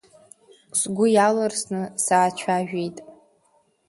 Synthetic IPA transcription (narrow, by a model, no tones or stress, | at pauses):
sɡʷʊjalɨrsnɨsaːt͡ʃʷʰaʒᶣijtʼ